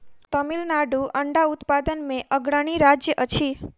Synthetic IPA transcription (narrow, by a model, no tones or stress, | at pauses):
t̪əmilnaɖuʔəɳɖaut̪pad̪ənmẽʔəɡɽəɳ̃iɾad͡ʒjəʔət͡ʃʰi